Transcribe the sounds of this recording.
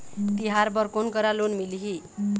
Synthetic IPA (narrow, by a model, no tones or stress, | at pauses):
t̪iɦaɾbʌrkonkʌɾalonmiliɦi